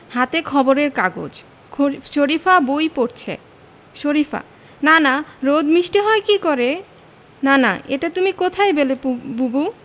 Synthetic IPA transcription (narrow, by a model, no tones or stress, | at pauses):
hat̪ekʰɔboɾeɾkaɡo̰d͡ʑʰ | oʃoɾifabojpoɾt͡ɕʰḛ | ʃoɾifʰa̰ | nanaɾod̪miʃʈiɦɔekikɔɾe | nana̰ʔḛʈat̪umikot̪ʰaebelebubu